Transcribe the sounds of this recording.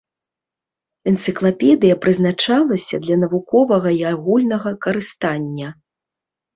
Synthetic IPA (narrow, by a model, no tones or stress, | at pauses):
ɛnt̪sɨklˠapʲɛd̪ɨjɐpɾɨznat͡ʂalˠɐsʲɐd̪lʲɐnɐvukɔvɐɣɐiaɣulʲnɐɣɐkɐɾɨst̪anʲːɐ